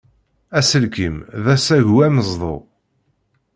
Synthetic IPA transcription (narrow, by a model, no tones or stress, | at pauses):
æsəlkimðæsæʝuæməzˤðˤo̰